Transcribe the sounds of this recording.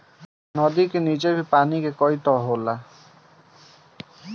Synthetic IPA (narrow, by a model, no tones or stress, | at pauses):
nɔd̪ikenid͡ʒebʱipanikekɔjt̪ɔɦola